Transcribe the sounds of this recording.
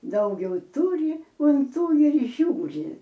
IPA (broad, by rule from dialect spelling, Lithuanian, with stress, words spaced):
ˈdɐʊɡʲɛʊ ˈtuːrʲɪ ʊn ˈtuː ɪr ˈʒʲuːrʲɪ